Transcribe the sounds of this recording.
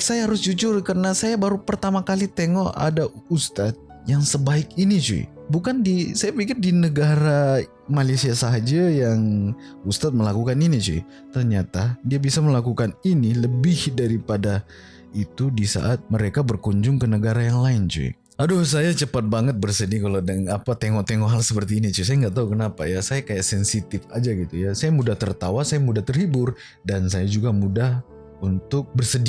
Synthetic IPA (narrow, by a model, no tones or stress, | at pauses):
sajaɦaɾʊsd͡ʒut͡ʃʊrkəɾənasajabaɾupərt̪amakalit̪eŋɔa̰daust̪at̪̚ | jaŋsəbaɪk̚init͡ʃṵɪ̰ | bukandisajapikɪrdinəɡaɾa | malejsiasaɦad͡ʒajaŋ | ust̪at̪̚məlakukaninit͡ʃṵḭ | t̪ərɲat̪adiabisaməlakukaniniləbɪhdaɾipada | it̪udisa̰ʔat̪̚məɾekabərkuɲd͡ʒʊŋkənəɡaɾajaŋlaɪnt͡ʃṵḭ | adus̬ajat͡ʃəpat̪̚baŋət̪̚bərsədikalodəŋapat̪eŋɔʔt̪eŋɔʔɦalsəpərt̪iːnit͡ʃus̬ajaŋɡaʔt̪aukənapajasajakajaʔsɛnsit̪ɪfad͡ʒaɡit̪ujasajamudaht̪ərt̪awasajamudaht̪ərhibʊr | dansajad͡ʒuɡamudah | unt̪ʊk̚bərsədi